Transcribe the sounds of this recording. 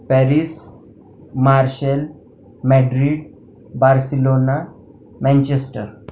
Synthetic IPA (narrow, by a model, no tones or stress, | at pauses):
pɛɾis | maɾɕəl | mɛɖɾiɖ | baɾsilona | mɛ̃nt͡ɕesʈəɾ